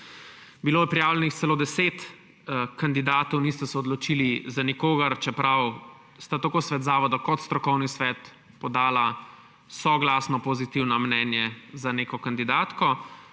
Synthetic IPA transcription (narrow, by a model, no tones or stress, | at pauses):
biloːjɛpɾijaːwlɛnixt̪sɛloːd̪ɛseːt̪ | kand̪id̪aːt̪ɔwnist̪ɛsɛɔd̪lɔt͡ʃiːlizanikoːɡɐɾt͡ʃɛpɾaw | st̪at̪akoːsʋɛːd̪zaːʋɔd̪ɔkɔt̪st̪ɾɔkɔwnisʋɛt̪ | pɔd̪aːla | sɔɡlasnɔpɔzit̪iwnɔmnɛːnjɛzaneːkɔkand̪id̪aːt̪kɔ